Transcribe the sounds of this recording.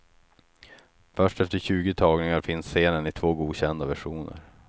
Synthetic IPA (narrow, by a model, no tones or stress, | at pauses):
fœʂʈɛft̪əɕʉ̟ːɡɪt̪ʰɑːɡnɪŋaɾfɪnsːeːnənɪt̪ʰv̥oːɡuːɕɛnd̪avæʂuːnə̰ɾ